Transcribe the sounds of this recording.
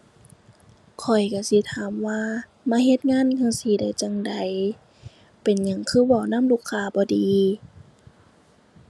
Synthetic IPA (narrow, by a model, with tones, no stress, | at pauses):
kʰɔ˨˩jka˧˩si˧˦t̪ʰaː˨˦mwaː˧ | maː˧˥˨ɦe˧t̪̚ŋaː˧˥˨nkʰa˧˨siː˧˦da˨˦jt͡ɕa˧ŋda˨˦j | pe˨nɲa˧˦ŋkʰɯː˧˥˩wa˧˩wna˧˥˨mluː˧˨kʰːaː˧˨bɔː˧˦diː˨˦